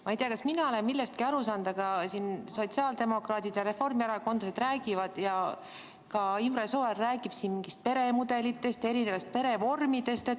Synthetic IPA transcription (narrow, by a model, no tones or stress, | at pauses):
mɑijt̪eɑkɑsminɑolenmilːest̪̚kiɑɾusɑːnd̪ɑɡ̥ɑsinso̞t̪siɑːld̪̥e̞mo̞krɑːd̪id̪̥jɑɾe̞fo̞rmjæɾɑko̞nd̪̥ɑsed̪ræːɡivɑd̪̥jɑ | kɑimɾɑsoerːæːɡ̥ib̥sinmiŋɡist̪̚pe̞ɾe̞mud̪e̞lit̪ːˑe̞st̪e̞ɾine̞vɑst̪̚pe̞ɾe̞vo̞rmid̪e̞st̪e